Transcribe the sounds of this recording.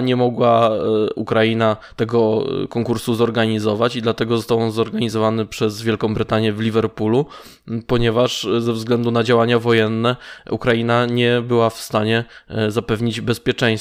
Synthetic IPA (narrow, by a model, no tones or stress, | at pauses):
ɲɛmɔɡwaukɾajinat̪ɛɡɔkɔŋkuɾsuzɔɾɡaɲizɔvat͡ɕid̪lat̪ɛɡɔzɔst̪awɔnzɔɾɡaɲizɔvanɘpʂɛzvʲjɛlkɔ̃w̃bɾɘt̪aɲjɛvlʲivɛɾpulu | pɔɲɛvaʂzɛvzɡlɛnd̪unad͡ʑawaɲavɔjɛnːɛukɾajinaɲɛbɘwafst̪aɲɛzapɛvɲid͡ʑbɛspʲjɛt͡ʂɛ̃j̃s